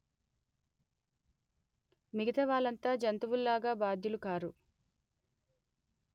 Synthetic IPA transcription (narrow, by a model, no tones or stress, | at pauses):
miɡit̪ɐʋaːlɐnt̪aːd͡ʒɐnt̪uʋulːaːɡaːbaːd̪ʱjulukaːɾu